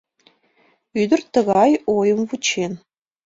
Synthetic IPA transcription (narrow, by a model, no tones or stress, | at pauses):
yd̪ərt̪əɣɑjojəmvut͡ɕʰen